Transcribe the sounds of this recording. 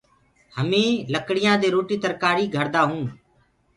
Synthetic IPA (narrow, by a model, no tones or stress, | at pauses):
həmẽːləkɽɪjãːd̪eːɾoːʈiːt̪əɾkaːɾiːɡʱəɾd̪aːɦũː